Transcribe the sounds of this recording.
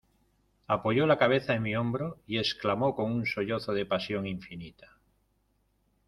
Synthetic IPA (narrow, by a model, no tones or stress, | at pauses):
apo̞ʝolakaβ̞eθaemiõmbɾoie̞sklamoko̞ŋunsoʝoθoðepasjo̞ŋiɱfinit̪ḁ